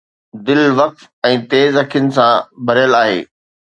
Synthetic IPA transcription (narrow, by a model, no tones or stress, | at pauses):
d̪ɪlʋɐq̚t̪ | ɛ̃ːt̪eːzɦɐkʰijʊnɪ̆sãbʱɐɾijəlaːɦḛː